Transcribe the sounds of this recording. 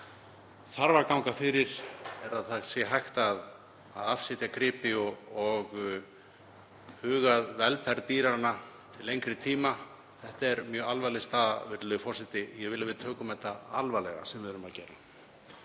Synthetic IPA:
θaɾvaɾkawŋkafɪɾɪɾ̥ɛɾaðθasɛɦajxt̪að | aðafsɪt̪jakʰɾɪːpɪɔɔɣ | hʏːɣaðvɛlfɛɾt̪iːɾaɾna | t̪ʰɪlejŋkɾɪt̪ʰiːma | θɛht̪aɛɾmjœːalvalɛst̪aːða̰vɪɾlʏðʏfɔrsɪt̪ɪjɛɣvɪlavɪðt̪ʰœːkʏmvɛht̪ːaalvalɛɣa̰sɛmvɪðʏɾʏmaðcɛːɾa

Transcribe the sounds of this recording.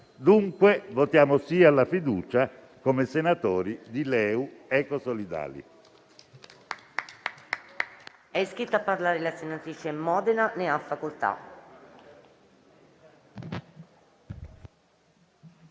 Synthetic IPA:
d̪uŋkwevot̪jaːmosiːalːafid̪uːt͡ʃa | komesenat̪oːɾid̪ilɛːuɛːkosolid̪a̰ːlḭ | ɛskɾit̪ːapːarlaːɾelasenat̪ɾiːt͡ʃemːɔːd̪enaneafːakolt̪a̰

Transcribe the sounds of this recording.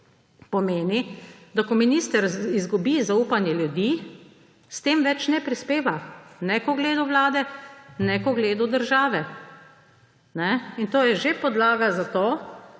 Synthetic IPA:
pɔmeːnid̪akɔminiːst̪əɾizɡubizauːpanjɛljud̪i | st̪eːmʋɛt͡ʃnɛpɾispeːʋanɛkɔɡleːd̪uʋlaːd̪ɛnɛkɔɡleːd̪ud̪əɾʒaːʋɛ | nɛint̪oːjɛʒepɔd̪laːɡazat̪oː

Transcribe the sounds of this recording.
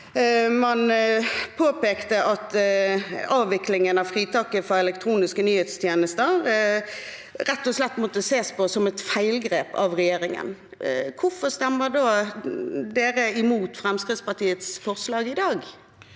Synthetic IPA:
mɑnpʰoːpeːkt̪əʔɑt̪ | ɑːʋɪklɪŋənɑʋfʁiːt̪ʰɑkːəfɔɾɛlɛkt̪ʰɾuːnɪskənyːheːt̪st̪ʰjeːnəst̪əɾ | ɾɛt̪ːɔslɛt̪ːmɔt̪ːəseːspɔsɔmɛt̪fæɪlɡʁeːpɑ̰ʋʁɛjeːɾɪŋə̰n | kʰʊfɔst̪æmːəd̪oː | d̪eːɾəɪmuːt̪fʁɛmskɾɪd̪spɑʈ̪iːət̪sfɔʁslɑːɡɪd̪ɑːɡ

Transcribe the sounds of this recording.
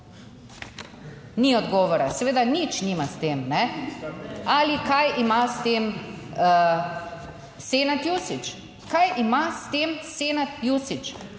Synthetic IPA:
niɔd̪ɡɔːʋɔɾasɛʋeːd̪anit͡ʃniːmast̪eːmnɛ | alikajʔimast̪eːmə | seːnat̪jusit͡ʃ | kajimast̪eːmseːnat̪jusit͡ʃ

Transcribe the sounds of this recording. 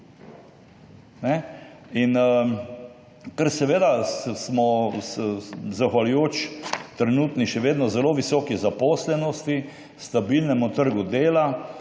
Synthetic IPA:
nɛ | in | kəɾsɛʋeːd̪asmɔ | zaxʋalʊjoːt͡ʃt̪ɾɛnuːt̪niʃɛʋeːd̪nɔzɛloːʋisɔːkizapɔːslɛnɔst̪i | st̪abilnɛmut̪əɾɡud̪eːla

